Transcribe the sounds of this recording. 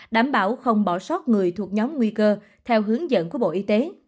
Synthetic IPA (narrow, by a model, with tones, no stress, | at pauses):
ɗaː˧˩mɓaː˧˩wxə˧wŋ͡mɓɔ˧˩sɔ˦˥t̚ŋɨ˨˩əjt̪ʰu˨˩ək̚ɲɔ˨˦mŋwi˧kəː˧ | t̪ʰɛ˧wɦɨ˨˦əŋzə̰˧˨nku˧˩əɓo̰˧˨ʔi˧t̪e˨˦